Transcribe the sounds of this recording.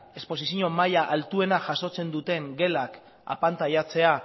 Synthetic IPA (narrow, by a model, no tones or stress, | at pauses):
e̞spo̞s̬isiɲo̞majaʔalt̪ue̞naʝaso̞t͡se̞nd̪ut̪e̞ŋɡe̞lak | a̰pant̪ajat͡se̞a